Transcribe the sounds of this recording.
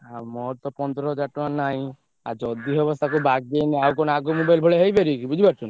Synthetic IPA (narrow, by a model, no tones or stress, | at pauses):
amɔɾt̪ɔpɔnd̪ɾɔd͡ʒaʈanaɦĩ | a̰ɾd͡ʒɔd̪iɦɔbɔst̪akubaɡ̚d̪eneawkɔnaɡomubajlbʱɔɭeɦejbeɾiekibud͡ʒʱibaɾt͡ʃʰun